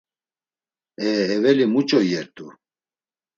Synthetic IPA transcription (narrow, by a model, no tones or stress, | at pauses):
ɛːvɛlimut͡ʃʼɔjɛɾt̪ʼu